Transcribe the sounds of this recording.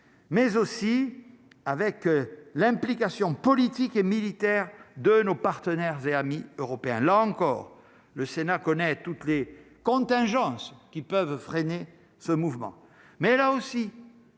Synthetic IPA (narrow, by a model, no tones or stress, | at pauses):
mɛzosi | avɛklɛ̃plikasjɔ̃pɔlit̪ikemilit̪ɛʁd̪ənopaʁt̪ənɛʁzeamiøʁɔpeɛ̃laɑ̃kɔʁ | ləsenakɔnɛt̪ut̪lekɔ̃t̪ɛ̃ʒɑ̃skʲipœvfχene | səmuvmɑ̰̃ | mɛlaosi